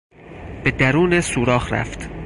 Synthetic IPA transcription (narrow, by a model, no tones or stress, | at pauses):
b̥ed̪æɾuːnesuːɾɒːhɾæ̰ft̪